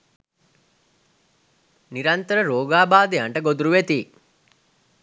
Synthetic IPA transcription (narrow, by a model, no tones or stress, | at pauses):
niɾɐnt̪əɾəɾoːɡaːbaːd̪ejaɳʈəɡod̪uɾuʋet̪iː